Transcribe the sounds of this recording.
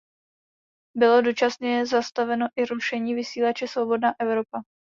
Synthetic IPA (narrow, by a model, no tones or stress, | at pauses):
bɪlo̞do̞t͡ʃasɲɛjɛzast̪avɛnoʔɪɾuʃɛɲiːvɪsiːlat͡ʃɛsvo̞bo̞dnaːʔɛvɾo̞pa